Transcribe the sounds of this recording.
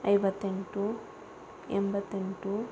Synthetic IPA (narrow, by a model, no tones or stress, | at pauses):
ɐjʋɐt̪ːe̞ɳʈu | ḛmbɐt̪ːeɳʈu